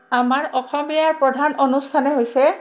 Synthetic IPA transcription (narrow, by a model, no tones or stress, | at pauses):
amaɹɔxɔmijaɹpɹɔdʱanonustʰanɛɦojsɛ